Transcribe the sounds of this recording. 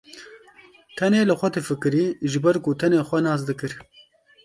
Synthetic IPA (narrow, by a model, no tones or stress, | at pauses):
t̪ʰɐneːlɨxʷɐt̪efɨkɨɾiːʒɨbɐɾkut̪ʰɐneːxʷɐnɑːs̬d̪ɨkɨɾ